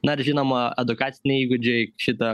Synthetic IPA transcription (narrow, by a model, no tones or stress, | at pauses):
nɐɪɾʒʲinoːmɐɛd̪ʊkɑːt̪sʲɪnʲɛɪiːɡʊd͡ʒʲɛɪʃʲɪt̪ɐ